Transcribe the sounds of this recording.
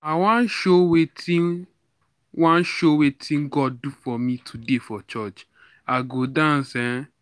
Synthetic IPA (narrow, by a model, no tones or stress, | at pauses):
aw̃ãn̩ʃowetĩ | wɔ̃n̩ʃowetʰĩɡɔddufɔmĩtʰudefɔt͡ʃɔt͡ʃ | aɡodãsɛ̃